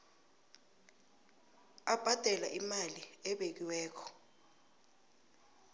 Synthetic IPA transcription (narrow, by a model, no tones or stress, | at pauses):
ab̥ʱad̥ʱɛlaʔimaliɛɓek̬iwɛːkʰɔ̥